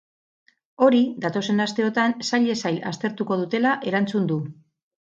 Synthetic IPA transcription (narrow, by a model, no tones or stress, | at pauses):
o̞ɾiðat̪o̞se̞nast̪e̞o̞t̪ansaʎe̞sajla̰st̪e̞ɾt̪uko̞ð̞ut̪e̞laʔe̞ɾant͡sund̪u